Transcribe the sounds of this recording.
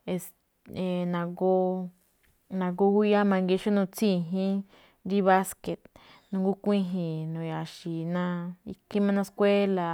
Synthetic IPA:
e˧s | e˨nã˧ɡo˧ | nã˧ɡo˧ɡu˦ja˦mã˧ŋɡi˧ʃo˦nũ˧t͡sĩ˦˨ɦĩ˦ | ɾi˦βa˦ske˨t̪̚ | nũ˧ŋɡu˦kʷĩ˦ɦĩ˧˨nũ˨ja˨ʃi˨nã˧i˧kʰĩ˦mã˧nã˧skʷe˦la˨

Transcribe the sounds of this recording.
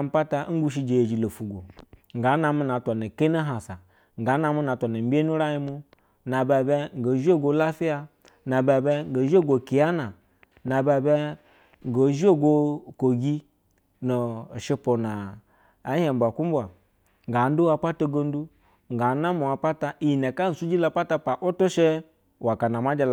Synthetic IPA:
m̩˦pa˦ta˧˦ŋ̩˦ɡu˦ʃ̬i˧d͡ʒe˨je˨d͡ʒi˨lo˨fu˨ɡʷo̰˨ŋ̩˨ɡa˨˦na˧mu˦na˨˦tʷa˨na˨ke˦na˦ɦa˨sa˨ | ŋ˨ɡa˨˦na˧mu˦na˨tʷa˨na˨m̩˦bʲe˦nu˦ɾa˦ji˦mu˦ | na˨ba˧be˧ŋ̩˨ɡo˨˦ʒi˦o˦˨ɡo˧˦la˦fi˦ja˧ | na˨ba˧be˧ŋ˦ɡo˨ʒo˦˨ɡo˨ki˨ja˦na˨ | na˨ba˧be˧ | ŋ˨ɡo˨˦ʒi˦o˦ɡo˧ko˨ɡi˦ | no˨ʃi˧po˨naː˨˦ | he˨m̩bʷa˨ku˦m˦bʷa˨ | ŋ˨ɡa˨˦n˦du˦wa˧pa˦to˧ɡo˧n˦du˦ | ŋ˨ɡa˨˦na˦mu˨a˨pa˦ta˨i˨ji˨ne˨ka˦n̩˨su˦d͡ʒi˦la˨˧pa˦ta˧pa˨ʔo˦to˦ʃe˦ | wa˨ka˨na˨ma˦d͡ʒa˧l

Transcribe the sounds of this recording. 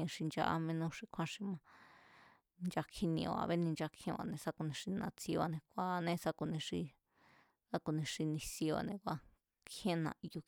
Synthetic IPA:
ʂi˧nd͡ʒa̰˧ʔa̰˧mẽ˧nũ˧ʂi˧kʷʰã˧ʂi˧mã˧ | nd͡ʒa˧kʰi˧nĩ˧˨o˨a̰˧βe˦nĩ˧nd͡ʒa˧kʰĩ˧a̰˧˨nẽ˧sa˧ku˧nĩ˧ʂi˧nã̰˧t͡si˧a˧nẽ˧kʷa˦˧nẽ˦˧sa˧ku˧nĩ˧ʂi˧ | sa˦˧ku˧˨nĩ˧ʂi˧nĩ˧si˧a̰˧nẽ˧kʷa˧ | kʰẽ˦nã̰˧ʔi˧ju˧

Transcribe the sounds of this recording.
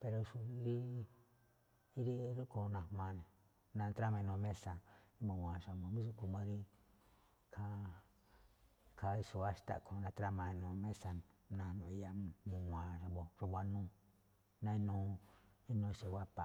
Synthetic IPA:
pe˧ɾo˧ʃu˧˦ɾi˦ | i˦ɾi˦ɾu˦ko˧nã˧˨˧mã˧nẽ˨ | nã˧t̪ɾa˦mã˧ĩ˧nõ˧mẽ˦sa˧i˦mũ˨wʷã˨˧ʃa˧mã˨˧mũ˦s̬u˦ku˧mã˧ɾi˦ | kʰa˧ | kʰa˧i˧su˧wa˦ʃt̪a̰˦˨kʰo˧nã˧t̪ɾa˦mã˧nũ˨˧mẽ˦sa˧nnã˧nũ˧i˧ja˧mũ˧ã˨ʃa˧bo˨ʐu˧βʷa˧nũː˦ | nã˧ĩ˦nũ˧˦ | i˦nõ˧ʃe˨wa˦pa˨

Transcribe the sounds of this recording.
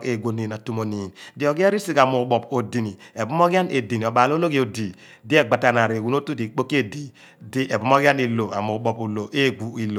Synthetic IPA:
ke˨ɡʷo˨ni˨na˨tu˦mo˨ni˨ndi˨ɔ˨ɡe˦ɾi˦si˦ka˨mu˨ɓɔ˨po˨di˨ni˨e˨bu˦mo˦ɡi˦a˦ne˨di˨ni˨ɔ˨ɓa˨lo˦lo˦ɡi˦o˨di˨ | di˦e˦ɡ͡ba˨ta˨na˨ɾi˨wu˨˦no˦tu˦di˨k͡po˦ki˦e˦di˨ | di˦e˨bu˦mo˦ɡi˦a˦ni˨lo˨a˨mu˨ɓɔ˨pu˨lo˨ʔe˦˨ɡ͡bu˨i˨lo˨

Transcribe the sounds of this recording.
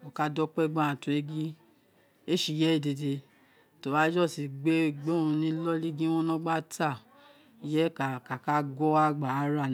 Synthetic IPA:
o˨ka˧dɔ˦k͡pɛ˦ɡ͡bã˦a˨tu˨e˦ɡĩ˦ | e˦ʃi˧˨jɛ˨˦i˦˨de˧de˧ | to˨ba˨˦d͡ʒɔ˦˨si˨ɡ͡be˦ɡ͡be˦ũ˧nĩ˦lɔ˦li˦ɡĩ˦w̃ɔ̃˦nɔ̃˦ɡ͡ba˦tʰa˦˨ | i˨jɛ˦ka˨ka˨ka˦ɡɔ˦a˦ɡ͡ba˨˦ɾa˦˨

